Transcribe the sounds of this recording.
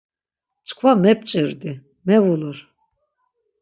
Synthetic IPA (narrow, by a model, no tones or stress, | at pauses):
t͡ʃʼkʰvamɛp̚ʼt͡ʃʼiɾd̪i | mɛvuluɾ